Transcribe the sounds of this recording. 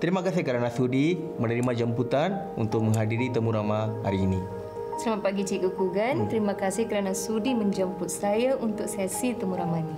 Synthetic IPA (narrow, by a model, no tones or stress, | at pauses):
t̪əɾimakasɪhkəɾanasudi | mənəɾimad͡ʒəmput̪an | ṵnt̪ʊk̚məŋɦadiɾit̪əmuɾamaha̰ɾiːni | səlamat̪̚paɡit͡ʃikukuɡant̪əɾimakasɪhkəɾanasudiməɲd͡ʒəmpʊt̪̚sajaʔunt̪ʊk̚sɛsit̪əmuɾamani